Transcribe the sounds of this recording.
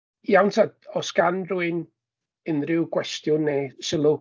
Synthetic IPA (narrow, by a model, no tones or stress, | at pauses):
jawntʰadɔsɡ̥anruɨn | ənrɪwɡwɛstjʊnːeːsɪlˠʊ